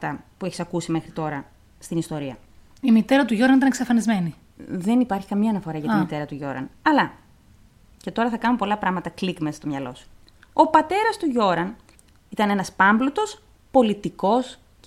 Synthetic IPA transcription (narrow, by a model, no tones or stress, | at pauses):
t̪ɐpue̞çi̥sɐkusime̞xɾit̪o̞ɾɐ | st̪inist̪o̞ɾiɐ | imit̪e̞ɾɐt̪uʝo̞ɾɐnit̪ɐneksefɐnizme̞ni | ðe̞nipɐɾçi̥kɐmɐːnɐfo̞ɾɐʝɐt̪mmit̪e̞ɾɐt̪uʝo̞ɾɐ̰nɐlɐ | ce̞t̪o̞ɾɐθɐkɐnumepo̞lɐpɾɐɣmɐt̪ɐklikmesst̪o̞mɲɐlo̞̰su̥ | o̞pɐt̪e̞ɾɐst̪uʝo̞ɾɐn | it̪ɐne̞nɐspɐmblot̪o̞s | po̞lit̪iko̞s